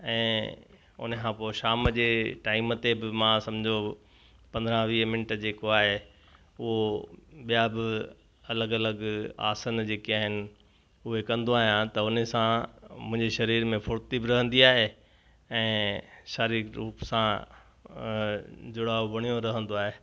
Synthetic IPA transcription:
ɛ̃ː | ʊ̰nəkʰãːpoːʃaːmd͡ʑeːʈaːɪmət̪ebɪmãːsɐ̃md͡ʑʱo | pɐ̃nd̪ɾãʋiːmɪnəʈəd͡ʑeːkoaːɦe | ʊɦoɓijabɪ | ɐləɡɐləɡa̰ːsənd͡ʑeːkiaːɦɪnɪ̆ | ʊɦekɐ̃nd̪oaːɦijãt̪ɐʊnsãmʊ̃ɦɪ̃ɲd͡ʑeʃɐɾiːɾmẽfʰʊɾt̪ibɪɾɐɦə̃nd̪iaːɦe | ɛ̃ːʃaːɾikɾuːpsã | d͡ʑʊɽaːobɐɽ̃ijõɾɐɦə̃nd̪oaːɦeː

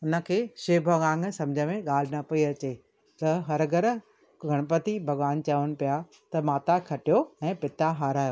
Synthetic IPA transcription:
ʊnə̆kʰeːʃeːbʱɐɡãːŋɡsɐ̃md͡ʑʱəmẽɠaːl̤ɪnɐpɐiɐt͡ɕeː | t̪ɐɦɐɾɡɐɾ | ɡʱɐɽ̃əpɐt̪ibʱɐɠʋaːn̆t͡ɕaʋəñ̆pija | t̪ɐmaːt̪akʰɐʈijoɛ̃ːpɪt̪aɦaːɾaːjoː

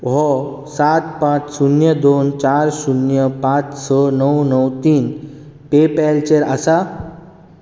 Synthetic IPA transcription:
ɦɔ | sat̪̚pãt͡ssunjəd̪ont͡ɕaɾsunjəpãt͡ssənəwnəwt̪iːn | pepɛlt͡ɕeɾəsa

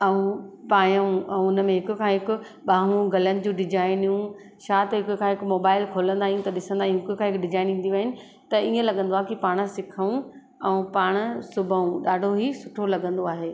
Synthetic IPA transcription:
ɐũpaːjəũɐũʊnə̆mẽɦɪkʊ̆kʰãːɦɪkʊ̆ | ɓaːɦũɡɐlənɪ̆d͡ʑũːɖɪd͡ʑaːɪnijũ | ʃaːt̪ɦɪkʊkʰãːɦɪkʊmoːbaːɪlkʰoːlə̃nd̪aːɦijũt̪ɐɗɪsə̃nd̪aːɦij̃ɦɪkʊkʰãːɦɪkɖɪd͡ʑaːɪnĩːnd̪iʋaːɦɪnɪ̆ | t̪ɐiẽlɐɠə̃nd̪oaːɦekipaːɽ̃̆sɪkʰəũ | ɛũpaːɽ̃ə̆sʊbʱəũɗaːɖʱoɦisʊʈʰolɐɠə̃nd̪oaːɦeː

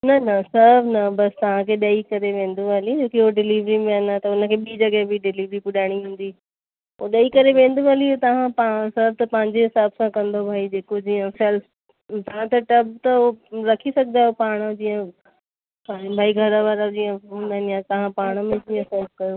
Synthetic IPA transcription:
nɐnɐsɐbʱnɐbɐst̪ɐʋ̤ãkʰeːɗɐikɐɾeʋẽːn̆d̪ualid͡ʑoːkiɦoɖɪliːʋɾimẽənat̪ɐʊnə̆kʰeːɓiːd͡ʑɐɠəɦbɪɖɪliːʋɾipʊɗaːɽ̃iɦũːn̆d̪i | oɗɐikɐɾeʋẽːn̆d̪uʋaliot̪ɐʋ̤ãpasɐb̚t̪ɐpɐ̃ːɪ̃ɲd͡ʑeɦɪsaːbsãkɐ̃nd̪obʱaːid͡ʑeːkod͡ʑiːə̃fɛl | t̪ɐʋãt̪ɐʈɐbt̪ɐoɾɐkʰisɐɡɪd̪aːɦjopaːɽ̃d͡ʑiːə̃ | paːibʱaːiɡʱɐɾaʋaːɾad͡ʑiːə̃anijat̪ɐʋãpaːɽ̃əmẽd͡ʑiːə̃sɐb̚kɐjo

